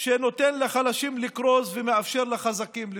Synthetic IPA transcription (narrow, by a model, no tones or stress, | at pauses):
ʃeno̞t̪enleχalaʃimlikʁo̞zvemeafʃe̞ʁlaχazakiml